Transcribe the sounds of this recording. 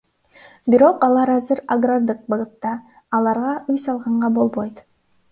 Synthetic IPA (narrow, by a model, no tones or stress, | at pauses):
biɾo̞qɑlˠɑɾɑzɯɾaɡrad̪ɯq̚bɑʁɯt̪ːɑː | lˠɑɾʁɑʔyjsɑlˠʁɑɴʁɑbo̞lˠbo̞jt̪